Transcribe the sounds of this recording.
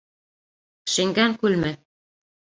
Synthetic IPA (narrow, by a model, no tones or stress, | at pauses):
ʃɘ̆ŋɡæŋkʉlmɘ